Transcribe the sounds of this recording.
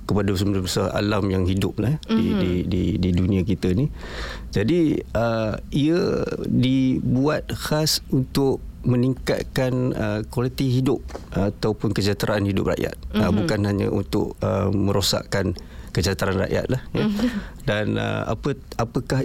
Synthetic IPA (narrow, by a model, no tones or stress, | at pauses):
kəpadasəməlamsəa̰lamjaŋɦidʊp̚lahdididididunĩak̬it̪ənid͡ʒadiəiədibuat̪̚hasunt̪ʊʔ̚ | məniŋka̰t̪̚kanəkwalit̪iɦidʊp̚ːt̪aupʊnkəd͡ʒat̪ɾʔaːnhidʊ̰p̚ra̰ʔja̰t̪̚əbukanɦaɲə̰ʔṵnt̪ʊ̰ʔ̚əmə̃ɾosa̰ʔkan | kəd͡ʒat̪ɾaanra̰ʔja̰t̪̚lahjədanə̰a̰pəapəkah